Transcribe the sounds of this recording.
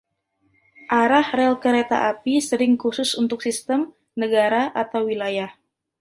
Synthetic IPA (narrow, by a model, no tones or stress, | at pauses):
ʔaɾahɾɛlkəɾet̪a̰ʔapisəɾɪŋkusʊsunt̪ʊksist̪əm | nəɡaɾaʔat̪awwilajah